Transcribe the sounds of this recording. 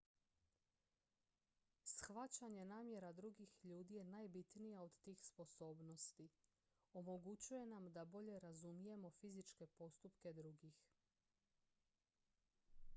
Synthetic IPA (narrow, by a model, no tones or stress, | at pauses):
sxʋat͡ɕaɲe̞naːmje̞ɾad̪ɾuɡixʎuːd̪ije̞najbit̪nijao̞d̪t̪iːxspo̞so̞ːbno̞st̪i | o̞mo̞ɡut͡ɕuje̞namd̪abo̞ʎe̞ɾazumije̞mo̞fizit͡ʃke̞po̞st̪upke̞d̪ɾuɡix